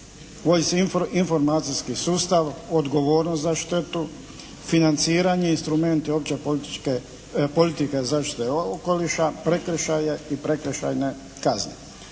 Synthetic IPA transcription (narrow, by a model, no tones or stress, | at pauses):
ʋojsinfo̞ɾmaːt̪sijskisuːst̪aʋod̪ɡo̞ʋo̞ːɾnost̪zaʃt̪e̞t̪u | finant̪siːɾaɲeinst̪ɾume̞nt̪iopt͡ɕepoe | polit̪ikezaːʃt̪i̥t̪eoko̞liʃapɾe̞kɾʃajeipɾe̞kɾeʃa̰jne | kazɲe